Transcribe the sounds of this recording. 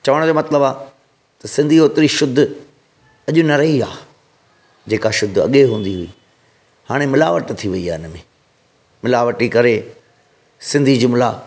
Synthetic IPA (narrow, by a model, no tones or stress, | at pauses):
t͡ɕɐʋəɽ̃d͡ʑoːmɐt̪ɪləbaː | t̪ɐsɪ̃nd̪ʱioːt̪ɾiʃʊd̪ʱːʊ | ɐʄʊnɐɾɐɦiaː | d͡ʑeːkaʃʊd̪ʱɐ̰ɠeɦũːn̆d̪iɦʊḭː | haːɽ̃emɪlaːʋəʈt̪ʰiʋɐiaːɪnmḛ̃ː | mɪlaːʋəʈikɐɾe | sɪ̃nd̪ʱid͡ʑʊmla̰